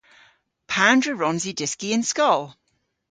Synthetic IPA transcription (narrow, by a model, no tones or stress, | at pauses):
pʰãndɹəɹɔ̃nzidɪskiə̃nskɔlˠ